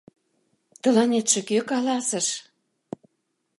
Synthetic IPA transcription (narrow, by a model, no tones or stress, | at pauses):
t̪ɤ̆lɑnet̪ʃĕkøkɑlɑsə̆ʃ